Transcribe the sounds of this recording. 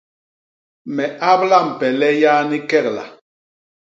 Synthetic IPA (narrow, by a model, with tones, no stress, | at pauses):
mɛ˨ʔa˦bla˦˨m̩˨pɛ˨lɛ˦jaː˦ni˦kɛ˦k̚la̰˨